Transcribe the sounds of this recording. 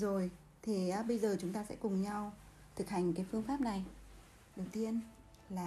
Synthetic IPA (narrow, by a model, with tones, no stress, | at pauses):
zo˨˩j | t̪ʰe˨˩ʔːɓə˧jzəː˨˩t͡ɕʊ˨˦ŋ͡mt̪aː˧sɛ̰˧˥kʊ˨˩ŋ͡mɲa˧w | t̪ʰɨ˨˩k̚ha˨˩jŋ̟kaː˨˦jfɨ˧əŋfaː˦˥p̚na˨˩j | ɗə˨˩wt̪i˧ən | laː˨˩